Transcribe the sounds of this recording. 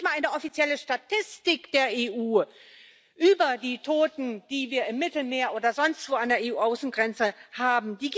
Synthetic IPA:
malaɪnəɔfit͡sjɛləʃtatʰɪstɪkd̥eːɐeːʔuː | ʔyːbɐdiːtʰoːtn̩d̥iːviːɐɪmːɪtl̩meːɐʔoːdɐzɔnstv̥oːandeːɐʔeːuːʔaʊsn̩ɡʁɛnt͡səhaːbm̩diːɡ

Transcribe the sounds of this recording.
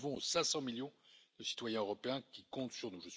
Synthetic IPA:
vɔ̃sɛ̃sɑ̃miljɔ̃d̪̥əsi̥t̪wajɛ̃øʁɔpeɛ̃kʲikɔ̃t̪syʁnuʒəs

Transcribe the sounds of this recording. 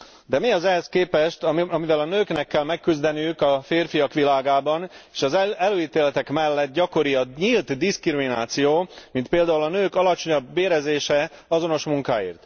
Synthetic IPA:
d̪ɛmiɒzɛɦɛskeːpɛʃt̪ɒɒmivɛlɒnøːknɛkːɛlmɛkːyzd̪ɛnijykɒfeːrfijɒkʋilaːɡaːbɒneːʃɒzɛløːiːt̪eːlɛt̪ɛkmɛlːɛt̪̚ɟɒko̞ɾiɒɲiːlt̪d̪iskrimina̰ːt̪sijoːmint̪̚peːld̪aːulɒnøːkɒlɒt͡ʃo̞ɲɒbːeːɾɛzeːʃɛɒzo̞no̞ʃmuŋka̰ːḭːrt̪

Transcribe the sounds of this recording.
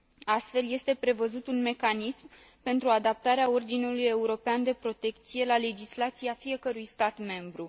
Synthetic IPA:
ast̪fe̞lje̞st̪e̞pɾe̞vəzut̪unme̞kanism | pe̞nt̪ɾuad̪ap̚t̪aɾeao̞rd̪inuluje̞uɾo̞peand̪e̞pɾo̞t̪e̞kt̪sije̞lale̞d͡ʒislat̪siafije̞kəɾujst̪at̪me̞mbɾu

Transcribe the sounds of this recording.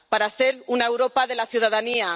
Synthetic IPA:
paɾaθeɾunaewɾopaðelaθjuð̞aðania

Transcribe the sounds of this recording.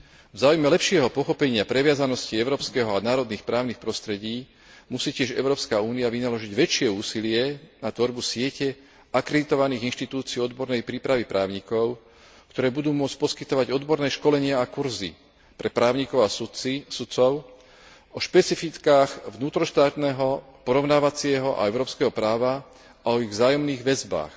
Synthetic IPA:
vzaːujmɛlɛpʃɪɛɦɔpɔxɔpɛɲɪapɾɛʋɪazanɔsciɛʊɾɔːpskɛɦɔanaːɾɔd̪niːxpɾaːʊnixpɾɔst̪ɾɛɟiː | musiːcɪɛʒɛ̰ʊɾɔːpskauːniaʋinalɔʒiɟʋɛt͡ʃɪɛuːsilɪɛnat̪ʋɔɾbusɪɛcɛ | akɾɛd̪it̪ɔʋaniːɣinʃt̪it̪uːt͡siɛɔd̪bɔɾnɛjpɾiːpɾaʋipɾʔaːʊɲikɔʊ | kt̪ɔɾɛːbud̪uːmʊɔt͡sc̚pɔskit̪ɔʋaɟɔd̪bɔɾnɛːʃkɔlɛɲɪaakuɾzḭ | pɾɛpɾaːʊɲikɔʊassut͡sɔʊ | ɔʃpɛt͡sifit̪kaːxvnuːt̪ɾɔʃt̪aːt̪nɛːɦɔpɔɾɔʊnaːʋat͡sɪɛɦɔʔa̰ɛʊɾɔːpskɛɦɔpɾaːʋa | aɔiɣvzaːjɔmniːɣʋɛzba̰ːx

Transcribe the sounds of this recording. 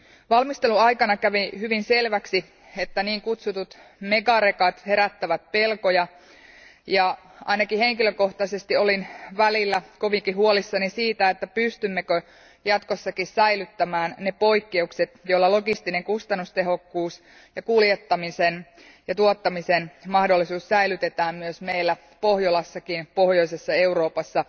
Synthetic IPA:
ʋɑlmist̪e̞luɑikɑnɑkæʋihyʋinse̞lʋæksi | et̪ːæniːŋkut̪sut̪ut̪ | mekɑɾekɑt̪he̞ɾæt̪ːæʋæt̪̚pe̞lkojɑ | jɑ | ʔɑ̰inɑkihe̞ŋkiløko̞ht̪ɑsest̪io̞linʋælilːæko̞ʋikiɦuolisːɑnisiːt̪æet̪ːæpyst̪ymːekø | jɑt̪kosːɑkissæilyt̪ːæmæːnnepo̞ikːe̞ukset̪jolːɑlo̞ɡist̪ineŋkust̪ɑnːust̪eɦo̞kːuːs | jɑkuljet̪ːɑmisen | jɑt̪uot̪ːɑmisenmɑhdolːisuːssæilyt̪et̪æːmmyøsmeilːæ | pohjolɑsːɑkinpo̞hjo̞isesːɑeuro̞ːpɑsːɑ

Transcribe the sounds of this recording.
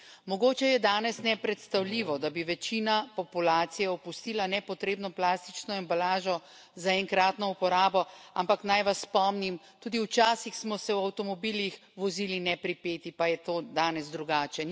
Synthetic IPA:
mɔɡoːt͡ʃɛjɛd̪aːnɛsnɛpɾɛt̪st̪awliːʋɔd̪abiʋɛt͡ʃiːnapɔpulaːt̪sijɛɔpust̪iːlanɛpɔt̪ɾeːbnɔplaːst̪it͡ʃnɔɛmbalaːʒɔ | zaɛŋkɾaːt̪nɔupɔɾaːbɔampaknajʋasːpɔmnimt̪uːd̪iwt͡ʃaːsixsmɔsɛwawt̪ɔmɔbilix | ʋɔzilinɛpɾipeːt̪ipajɛt̪oːd̪aːnɛzd̪ɾuɡaːt͡ʃɛ

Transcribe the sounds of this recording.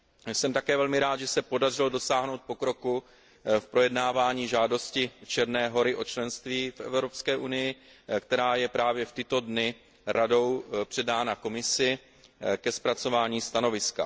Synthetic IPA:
sɛmt̪akɛːvɛlmɪɾaːt̪ʒɛsɛpo̞dar̝ɪlodo̞saːɦno̞wt̪̚po̞kɾo̞ku | fpɾo̞jɛdnaːvaːɲiːʒaːdo̞scɪt͡ʃɛɾnɛːɦo̞ɾɪʔo̞t͡ʃlɛnst̪viːfʔɛ̰vɾo̞pskɛːʔunɪjɪkt̪ɛɾaːjɛpɾaːvjɛft̪ɪt̪o̞dnɪ | ɾado̞wpr̝̥ɛdaːnako̞mɪsɪ | kɛspɾat͡so̞vaːɲiːst̪ano̞vɪska̰

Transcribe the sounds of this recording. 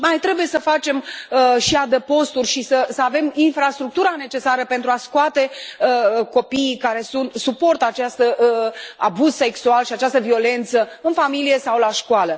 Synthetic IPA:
majt̪ɾe̞buje̞səfat͡ʃe̞mʃiad̪əpo̞st̪urʲʃisəsəave̞minfɾast̪ɾuk̚t̪uɾane̞t͡ʃe̞saɾəpe̞nt̪ɾuaskoat̪e̞ | ko̞pijkaɾe̞sunt̪supo̞rt̪at͡ʃast̪ə | abuz̥se̞ksualʃiat͡ʃast̪əvio̞le̞nt̪səɨnfamilije̞sawlaʃkoalə

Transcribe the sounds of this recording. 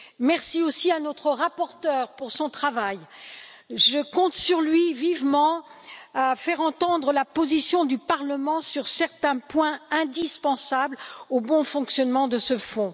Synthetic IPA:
mɛʁsiosianɔt̪χəʁapɔʁt̪œːʁpuʁsɔ̃t̪χavaj | ʒəkɔ̃t̪syʁlɥivivmɑ̃afɛʁɑ̃t̪ɑ̃d̪ʁəlapozisjɔ̃d̪ypaʁləmɑ̃syʁsɛʁt̪ɛ̃pwɛ̃ɛ̃d̪ispɑ̃sablobɔ̃fɔ̃ksjɔnmɑ̃d̪əsəfɔ̃

